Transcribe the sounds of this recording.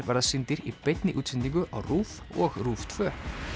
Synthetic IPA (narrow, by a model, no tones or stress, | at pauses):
vaɾðasɪnt̪ɪɾipejt̪nɪʔuːt̪sɪnt̪iŋkʏʔa̰wruːv | ɔɣruːft̪ʰvœː